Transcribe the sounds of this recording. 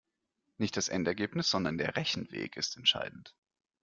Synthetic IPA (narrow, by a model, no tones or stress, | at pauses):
nɪçt̚d̥asʔɛntɛɐɡeːpnɪsz̥ɔndɐndeːɐʁɛçn̩vḛːkɪstɛntʃa̰ɪdn̩t